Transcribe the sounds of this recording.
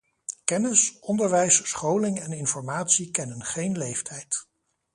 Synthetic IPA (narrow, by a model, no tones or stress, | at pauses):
kɛnɪsʔɔndəɹʋɛjssχowlɪŋɛnɪnfɔɹmaːtsikɛnənχejnlejftʰɛjt